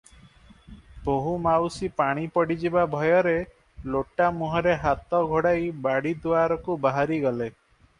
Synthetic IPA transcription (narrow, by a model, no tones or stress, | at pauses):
boɦumawsipaɽ̃ipɔɽid͡ʒibabʱɔjɔɾe | loʈamuɦɔɾeɦat̪ɔɡʱoɽajbaɽid̪uaɾɔkubaɦaɾiɡɔle